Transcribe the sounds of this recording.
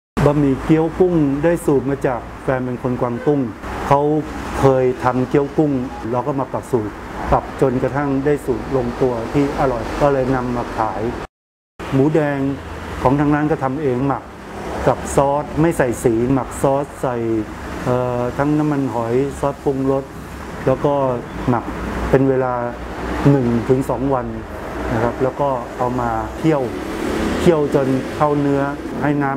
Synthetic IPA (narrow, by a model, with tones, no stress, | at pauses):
bɔː˧miː˧˩ki˦˥˩əwku˥˩ŋdaː˥˩jsuː˨˩t̪̚maː˧t͡ɕaː˨˩k̚fɛː˧npe˧nkʰo˧nkwaː˧ŋt̪u˥˩ŋkʰa˦˥wkʰɤː˧jt̪ʰa˧mki˦˥˩əwku˥˩ŋlɛː˧˥wkɔː˥˩ma˧pla˨˩p̚suː˨˩t̪̚pa˨˩p̚t͡ɕo˧nka˧t̪ʰa˥˩ŋdaː˥˩jsuː˨˩t̪̚lo˧ŋt̪u˧ɐt̪ʰiː˥˩ʔa˧˩ɾɔ˨˩jkɔː˥˩lɤː˧jna˧mːa˨˩k̚t̪ʰaː˩˦j | muː˩˦dɛː˧ŋkʰɔː˩˦ŋt̪ʰa˧ŋnaː˦˥nkɔː˥˩t̪ʰa˧mʔeː˧ŋma˨˩k̚ːa˨˩p̚sɔː˦˥t̪̚ma˥˩jsa˨˩jsiː˩˦ma˨˩k̚sɔː˦˥t̪̚sa˨˩j | ʔɤː˨˩t̪ʰa˦˥ŋna˦˥mːa˧nɦɔ˩˦jsɔː˦˥t̪̚pu˧ŋɾo˦˥t̪̚ | lɛː˦˥wkɔː˥˩ma˨˩k̚pe˧nweː˧laː˧ | nɯ˨˩ŋt̪ʰɯ˩˦ŋsɔː˩˦ŋwa˧n | na˦˥kʰɾa˦˥p̚lɛː˦˥wkɔː˥˩ʔa˧wmaː˧t̪ʰi˥˩əw | t̪ʰi˥˩əwt͡ɕo˧nkʰa˥˩wnɯ˦˥ɐha˥˩jnaː˦˥